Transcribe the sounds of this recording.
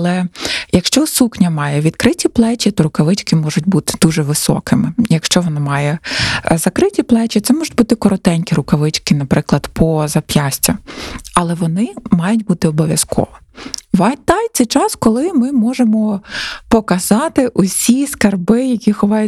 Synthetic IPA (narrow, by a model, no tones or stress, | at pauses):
ɐlˠɛjɐkʃt͡ʃɔsuxnʲɐmɑjɛʋʲid̪kɾɪtʲiplˠɛt͡ʃʲit̪ɔɾʊkɐʋɪt͡ʃkɪmɔʒʊtʲbut̪ɪ̥d̪̥uʒɛʋɪsɔ̰kɪmɪjɐkʃt͡ʃɔʋɔnɑmɑjɛzɐkɾɪtʲiplˠɛt͡ʃʲit̪sɛmɔʒʊt̚ʲbut̪ɪkɔɾɔt̪ɛnʲkʲiɾʊkɐʋɪt͡ʃkɪnɐpɾɪklˠɐd̪pʰɔzɐpʲjɑsʲtʲɐɐlˠɛʋɔnɪmɑjʊtʲbut̪ɪɔbɔʋʲjɐskʰɔ̰ʋɔ | ʋɑt̪ɑjt̪sɛjt͡ʃɑskɔlˠɪmɪmɔʒemɔpɔkɐzɑt̪ɪʔɔsʲiskɐrbɪjɐkʲixɔʋɑj